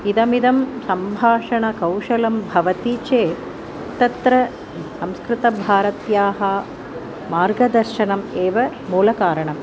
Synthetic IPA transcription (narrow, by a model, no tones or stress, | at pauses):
id̪ɐmid̪ɐmsɐmbʱaːʂɐɳɐkɐwʂɐlɐmbʱɐʋɐt̪iːt͡ʃeː | t̪ɐt̪ɾɐ | sɐmskɾɪt̪ɐbʱaːɾɐt̪jaːɦɐ | maːɾɡɐd̪ɐɾʃɐnɐmeːʋɐ | muːlɐkaːɾɐɳɐm